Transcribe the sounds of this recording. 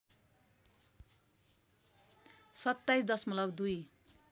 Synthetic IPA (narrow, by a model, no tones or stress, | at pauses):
sʌt̪ːajsd̪ʌsmʌlʌbd̪uj